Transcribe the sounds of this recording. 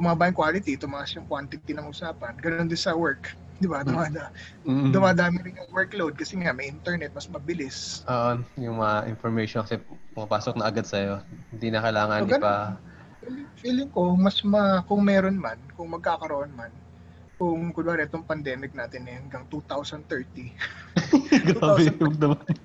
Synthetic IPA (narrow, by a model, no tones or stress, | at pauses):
bʊmaːbaːjɪŋkwaːlɪt̪it̪ʊmaːʔɐsjʊŋkwant̪ɪt̪ɪnɐŋʔʊsaːpɐnɡɐnond̪ɪnsɐwɛɹk | d̪ɪbad̪ʊmaːd̪ɐ | d̪ʊmaːd̪aːmɪɾɪnjʊŋwɛɹklowd̪̚kɐsɛŋamɐjʔɪnt̪ɛɹnɛt̪̚mɐsmɐbɪlɪsʔoːʔojʊŋmɐŋaʔɪ̰nfoɹmɛjʃonkɐsɛpɐŋɐpaːsok̚nɐɐɡad̪̚sɐjo̞hɪnd̪inɐkɐjlaːŋɐnɡɐnba | filɪŋfiːlɪŋko̞mɐsmɐkʊŋmɛːɾonmɐnkʊŋmɐɡ̚kaːkɐɾɐʔonmɐn | kʊŋkʊd̪aɾʔɛt̪oŋpɐnd̪ɛːmɪk̚naːt̪ɪnːhɐŋɡɐŋt̪ut̪awsɐn̚t̪ɛɹt̪i | ɡawɛɡd̪ʊmad̪